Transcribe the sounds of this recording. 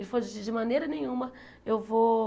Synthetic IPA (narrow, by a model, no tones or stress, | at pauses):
lifozid͡ʒimaneɾɐneɲumə | ewvo